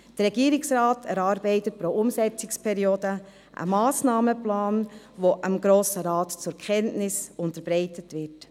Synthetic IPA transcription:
d̥ərɾɛɡiːəɾɪksɾɑːtʰɛɾɑːɾbɛɪtət̚pɾoʔʊmsɛt͡sɪkspʰɛɾioːdə | ʔə̰mɑːsnɑːməplɑːn | ʋoʔəmɡɾoːsəɾɑːtt͡sʊɾkʰχɛntnɪsʊntəɾbɾɛɪtətʋɪɾt

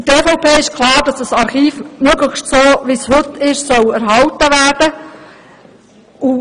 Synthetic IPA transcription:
əteːfɔʊpʰeːɪʃkʰlɑːɾd̥ɑsd̥ɑsɑɾχiːfmøɡləxʃtsoːʋishɵtːɪʃsœwæɾɦɑltəʋæːrd̥ə | u

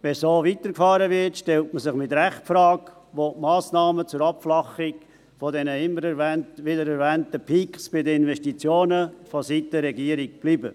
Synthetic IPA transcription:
ʋɛsoːvitəɾkfɑːɾəʋɪrtʃtɛltməsɪχmɪtɾɛχtfɾɑːɡ | ʋomɑːsnɑːmət͡sʊɾɑpflɑχɪk | fɔdɛnəɪmːəɾɛɾʋɛntʋɪdəɾɛɾʋɛːntəpʰiksb̥ɪdəɪnvɛʃtit͡sjoːnəfositəɾɛɡiəɾik̚b̥liːbə

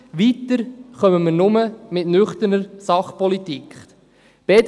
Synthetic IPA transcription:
ʋit̪əɾχœməməɾnʊməmɪtnʏχt̪ənəɾsɑχpɔlitikχ | b̥ed̪

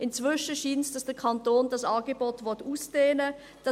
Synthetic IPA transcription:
ʔɪnt͡svʏʃəʃiːnsd̥ɑsd̥ɛəɐkʰɑntoːndɑsɑːɡebɔtvɔtuːsd̥eːnə | d̥ɑ

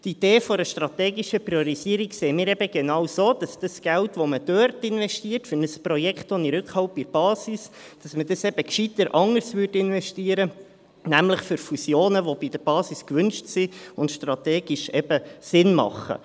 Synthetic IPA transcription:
t̪id̥eːfɔɾəʃtɾɑt̪ɛːɡiʃəpɾiɔɾisiəɾikseːmiːɾɛbəɡ̥enɑwsoːd̥ɑsd̥ɑsɡ̥æltʋoməd̥ørtɪnʋɛʃtiːəɾtfʏɾnəsprɔjɛkχtɔniɾʏkχhɑwpiɾb̥ɑːsisd̥ɑsmədɑsɛb̥əkʃit̪əɾʔɑŋəɾsʋʏrdɪnʋɛʃtiəɾə | næmləχfʏɾfusjoːnəʋob̥id̥̪əɾb̥ɑːsiskʋʏnʃtsiʊntʃtrɑteːɡ̥iʃɛbəsɪnmɑ̰χə̰

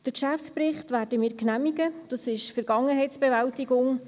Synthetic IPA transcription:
d̥əɾkʃæft͡spɾɪχtvæːɾdəmiːɾknæmiɡəd̥ɑsɪʃfɛɾɡ̥ɑŋəɦɛjt͡sb̥ɛvæltiɡʊŋ

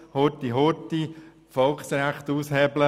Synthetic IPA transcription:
hotiɦoti | fɔlksɾæχt̪uːshɛblə

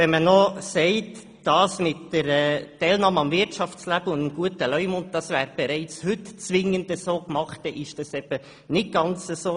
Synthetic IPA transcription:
ɛnmənɔsɛɪt | d̥ɑːsmɪtːəɾɛtɛɪlnɑːməɑmvɪɾtʃɑft͡slæb̥əʊndəmɡ̥uətəlœʏmʊnt̚d̥ɑsvæːɾb̥ɛɾɛɪt͡shʏtt͡sʋɪŋənd̥əsoːkmɑχt̚d̥ɛʔɪʃd̥ɑsɛb̥ə | nɪt̚ɡ̥ɑnt͡səsoː

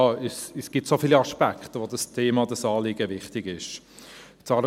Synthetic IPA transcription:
ɛsɛsɡ̥itsofiːliɑʃpækχtəʋodɑstʰeːmɑdɑsɑːlɪɡəvɪχtɪɡɪʃ | tt͡sɑɾ

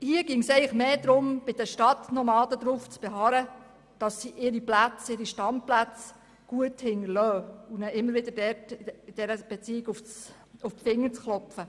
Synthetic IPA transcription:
hiəɡ̥ɪŋsɛɪlɪχmeːd̪ɾʊmb̥ɪd̥əʃtɑtnɔmɑːdəd̪ɾuft͡sb̥eɦɑːɾə | d̥ɑsːiʔɪɾiplæt͡sɪɾiʃtɑnt̚plæt͡s | ɡ̥uəthɪŋəlœːunɛʔɪmːəɾʋɪdəɾdɛtɪd̥ɛɾəb̥et͡siɪɡufs | ʊffɪŋːət͡sχlɔpfə

